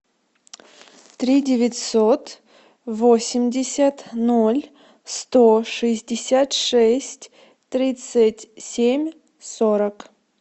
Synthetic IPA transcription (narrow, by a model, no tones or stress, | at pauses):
t̪ɾʲidʲɪvʲɪt̪ʲsot̪ | vosʲɪmʲdʲɪsʲat̪nolʲ | st̪oʂɨzʲdʲɪsʲat̪ʂɛsʲtʲ | t̪ɾʲit̪sɨtʲsʲemʲ | soɾək